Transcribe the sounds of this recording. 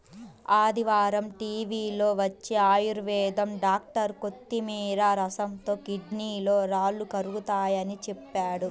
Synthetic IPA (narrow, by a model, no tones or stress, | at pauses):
aːd̪iʋaːɾɐmʈiːʋiːloːʋɐt͡ʃːeaːjuɾʋɛːd̪ɐmɖaːk̚ʈɐɾkot̪ːimiːɾɐɾɐsɐmt̪o̞ːkiɖniːlo̞ːɾaːlːukɐɾuɡut̪aːjɐnit͡ʃɛpːaːɽu